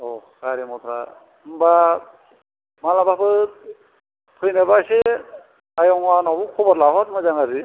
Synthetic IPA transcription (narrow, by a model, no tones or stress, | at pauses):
ɔkaɾimɔt̪ʰɾa̰ | ɯmba | malabapɯ | pʰɯjnabase | ajɔŋwanɔbukʰɔbɔɾlaɦɔt̚mɯzaŋazi